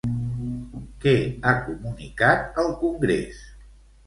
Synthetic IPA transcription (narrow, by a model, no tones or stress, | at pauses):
kɛakumunikat̪əlˠkuŋɡɾḛs